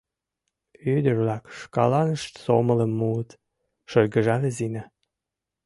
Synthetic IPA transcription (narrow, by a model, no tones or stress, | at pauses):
yd̪ərβlɑkʃkɑlɑnəʃt̪somələ̆mːuət̪ | ʃɤlʲɡəʒɑlʲĕzinæ